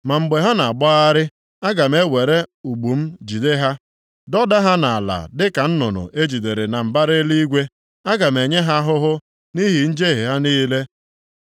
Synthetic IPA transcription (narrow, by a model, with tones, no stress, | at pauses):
ma˨m̩˨ɡ͡be˨ɦa˦na˨a˨ɡ͡bɔ˦a˦ɾɪ˦ | a˦ɡa˨m˦e˦we˨ɾe˦u˨ɡ͡bu˨m̩˦d͡ʒi˨de˦ɦa˦ | dɔ˦da˦ɦa˦na˨a˨la̰˨dɪ˦ka˨n̩˦nɔ˨nɔ̰˨ʔe˦d͡ʒi˨de˨ɾe˨na˨m̩˨ba˦ɾɪ˦li˦i˦ɡʷe˦ | a˦ɡa˨m̩˨e˨ɲe˦ɦa˦ɦʊ˦ɦʊ˦ | ni˦ɦi˨n̩˦d͡ʒe˦ɦe˨ɦa˦niː˦le˦